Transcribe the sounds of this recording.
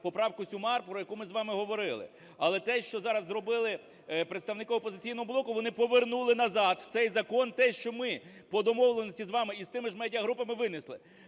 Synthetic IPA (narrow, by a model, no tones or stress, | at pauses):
pɔpɾɑwkʊsʲʊmɑrpɾɔjɐkumɪzʋɑmɪɦɔʋɔɾɪlˠɪ̰ | ɐlˠɛt̪ɛʃt͡ʃɔzɑɾɐzːrɔbɪlˠɪ | pɾet̪st̪ɐʋnɪkɪɔpɔzɪt͡sʲijn̪ɔɦɔblˠɔkʊʋɔnɪpɔʋernulˠɪnɐzɑd̪w̥t̪sɛjzɐkɔnt̪ɛʃt͡ʃɔmɪpɔd̪ɔmɔwlˠenɔsʲtʲizʋɑmɪist̪ɪmɪʒmɛdʲiɐɦɾupɐmɪʋɪnɪslˠɪ